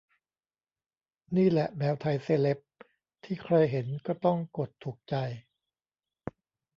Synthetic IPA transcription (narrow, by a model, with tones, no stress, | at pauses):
niː˥˩lɛ˨˩ʔmɛː˧wt̪ʰa˧jseː˧˩le˦˥p̚ | t̪ʰiː˥˩kʰɾa˧jɦe˩˦nkɔː˥˩t̪ɔ˥˩ŋko˨˩t̪ʰːuː˨˩k̚t͡ɕa˧j